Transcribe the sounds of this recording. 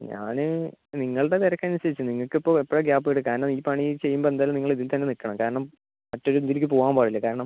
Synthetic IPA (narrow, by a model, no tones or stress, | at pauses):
ɲa̰ːnɨniŋːɐɭɽet̪eɾɐkːanːiɕɐðit͡ɕːɨniŋːɐɭkːɨipːo̞ːipːoɻeɡjaːpːɨeɽɨkaːɾɐnɐmiːpɐɳit͡ɕe̞jːumboend̪aːlumniŋːɐɭiðilt̪ɐnːe̞nikːɐɳɐmkaːɾɐɳɐm | mɐtːo̞ɾund̪ilikʲːɨpoːɣaːmbaːɽilːɐkaːɾɐɳɐm